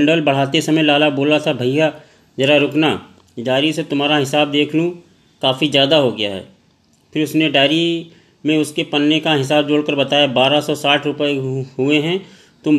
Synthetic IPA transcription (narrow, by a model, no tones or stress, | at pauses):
ɳɖəlbɐɽ̤aːt̪esɐməjlaːlaboːlat̪ʰabʱɐija | d͡ʒɐɾaɾʊkna | ɖaːɾiset̪ʊmɦaːɾaɦɪsaːbd̪eːkʰlũ | kaːfizjaːd̪aɦoɡɐja̰ɦɛ̰ː | pʰɪɾʊsneɖaːɾi | mẽʊskepɐnːekaɦɪs̬aːbd͡ʒoːɽkəɾbɐt̪aːjabaːɾasɔsaːʈʰɾʊpəeɦʊeɦɛ̃ | t̪ʊm